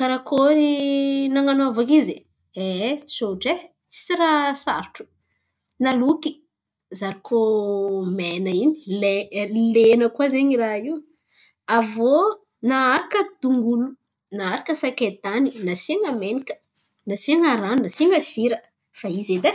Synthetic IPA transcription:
kaɾakʰoɾinaŋanoavakizi | et͡si̥soʈ͡ʂe | t͡si̥t͡siɾasaɾʈ͡ʂu̥ | naluki̥ | zaɾikʰomenəini̥lelenəkwazeɲiɾaiu | avo | naaɾakəd̪uŋɡulu | naaɾakəsaket̪aninasiŋamenikə̥ | nasiŋaɾannasiŋɡəʃiɾə | faized̪e

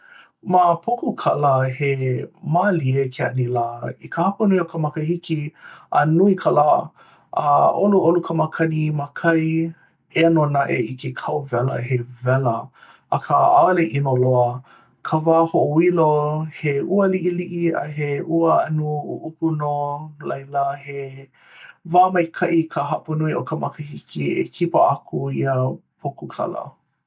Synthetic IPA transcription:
mapʰokukʰɐləhemaliekʰeɐ̰nilaikəhɐpənuiokʰəmɐkəhikiʔɐnuikʰəla | ʔəʔoluʔolukʰəmakʰɐnimakʰɐj | enonaʔḛikʰekʰawvɛlə̰ɦevɛlə | ʔːkʰaʔaleʔinoloə | kʰəvaːhoʔoiloheuəliʔiliʔiɐ̰ɦeʔuəɐnuuʔukunolɐjləhe | vaːmɐjkʰɐʔikʰəɦɐʔpunuiʔokʰəmɐkəhikʰiḛkʰipəakʰuiəpʰokukʰɐ̰lə̰

